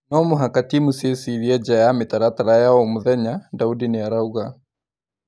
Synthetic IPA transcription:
nɔmoɦakatimusiesiɾiɛd͡ʒajametaɾataɾajaɔmuðɛɲadaudineaɾauɣa

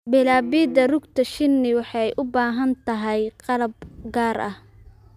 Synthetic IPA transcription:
bɛlaːbiːd̪ɐrʊɡt̪ʰɐʃɪnːɪwɑħɑjʔʊbaːɦɐnt̪ʰɐɦɛjqɑlɐb̚ɡaːɾɐh

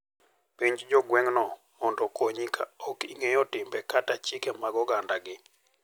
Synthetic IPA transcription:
piɲd͡ʒd͡ʒɔɡwɛŋnɔ | ɔndɔkwoɲika̰ɔkiŋejɔtɪmbɛkatat͡ʃɪkɛmaɡɔɡandaɡɪ

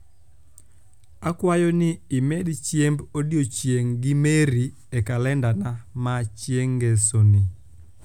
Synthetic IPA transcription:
akwajɔnɪɪmɛdt͡ʃjembodjot͡ʃjeŋɡɪmeɾi | ekalɛndanamat͡ʃjeŋɡesoni

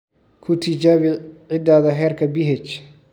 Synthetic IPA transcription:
kʰʊt̪ʰɪt͡ʃaːβɪʕɪd̪aːðɐɦɛːrkʰɐbɪɦɛt͡ʃ

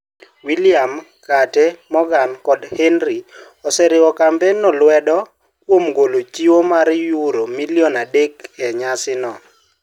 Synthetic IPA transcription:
wiliamkatɛmɔɡankɔdhenɾi | ɔsɛɾɪwɔkambɛnɔlwɛdɔ | kwomɡolot͡ʃiwomaɾjuɾomiliɔnadekɛɲasɪnɔ

